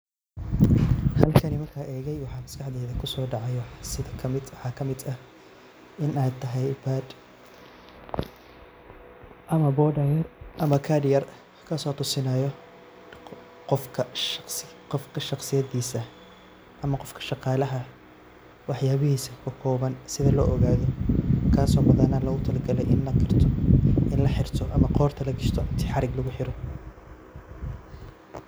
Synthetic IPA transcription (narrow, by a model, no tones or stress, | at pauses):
hɐlkʰɐnɪmɐrkʰaːʔɛːɣɛjwɑħɑːmɐskʰɑħd̪ɛːðɐkʰʊsɔːɖɑʕɑjħsɪðɐkʰɐmɪd̪wɑħɑːkʰɐmɪd̪ɐ | ɪnaːt̪ʰːɐɦɛjbaːd̪ | ʔɐmɐbɔːɖɐjɐrʔɐmɐkʰɐdɪjɐr | kʰɐsɔːt̪ʰʊsɪnɐjɔ | qɔfkʰɐ | qɔfkʰɐʃɑqsɪjɐðiːsɐ | ʔɐmɐqɔfkʰɐ̥ʃɑqɑːlɐɦɐ | wɑħjaːβɪhiːsɐkʰʊkʰɔːβɐnsɪðɐlɔ̰ːʔɔɣaːðɔkʰaːsɔːmʊðɐnɐlɐɣʊt̪ʰɐlɐɡɐlɛjɪnlɐkɪrt̪ʰɪnlɐħɪrt̪ʰɔʔɐmɐqɔːrt̪ʰɐlɐɡɪʃt̪ʰɔɪnt̪ʰi̥ːħɑɾɪɡlɐɣʊħɪɾɔ